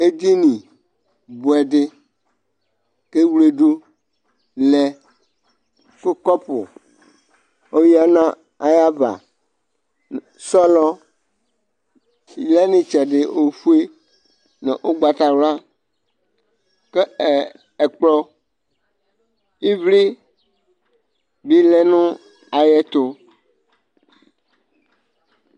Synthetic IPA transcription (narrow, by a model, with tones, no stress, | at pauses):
e˦d̪i˦nĩ˨ | bu˨ɛ˨ɖɪ˦ | ke˦wle˨ɖo˦ | lɛ˨ | ko˦kɔ˦pʊ̰˨ | o˦ji˦a˦nã˦ | a˨ja˦ba̰˨ | sɔ˦lɔ˦ | i˨lɛ˦nĩ˦t͡ʃɛ˨ɖe˨o˨fu˦e˦ | nɛ̰̃˨ʔo˦ɡ͡ba˨t̪a˨wla˦ | ke˦˨ | e˨k͡plɔ˦ | i˦vli˦ | bi˦lɛ˦nũ˦ | a˨jɛ˦t̪o˦